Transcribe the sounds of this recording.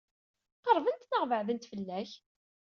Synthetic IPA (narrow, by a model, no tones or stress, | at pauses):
qəɾˤvənt̪nəʁvəʕðənt̪fəlːæç